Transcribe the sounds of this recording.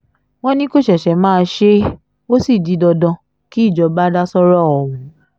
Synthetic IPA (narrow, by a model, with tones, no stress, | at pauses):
w̃ɔ̃˦nĩ˦ko˦˨ʃɛ˨ʃɛ˨˦mãː˦˧ʃe˦ | o˦si˦˨di˨˦dɔ˧dɔ̃˧˦ | ki˦i˦˨d͡ʒɔ˨˦ba˦da˦sɔ˦ɾɔ˦ɔ˨wũ˨